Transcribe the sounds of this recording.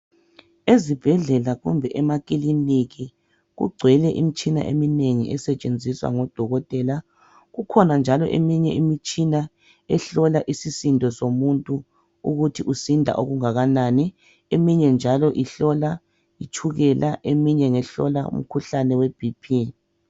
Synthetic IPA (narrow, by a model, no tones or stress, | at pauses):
ezib̥ʱɛɮɛlaɣumbʱɛʔɛmakʼiliniɣi | ɣṵɡ͡ǀʱwɛlɛʔḭmit͡ʃʼina̰ʔḛmineŋḭʔɛsɛt͡ʃʼend͡zʱiswa̰ŋɔd̥ʱɔɣɔtʼɛla | ɣukʰɔnand͡ʒʱalɔ̰ʔemiɲɛ̰imit͡ʃʼina | ɛɬɔlaʔisisindʱʼɔsomuntʼu | uɣutʰiʔusindʱa̰ʔoɣuŋaɣanaːni | emiɲɛnd͡ʒʱalɔʔiɬɔla | it͡ʃʰuɣɛlʔaʔemiɲɛŋɛɬɔ̰laṵm̩kʰuɬanɛweb̥ʱipʰi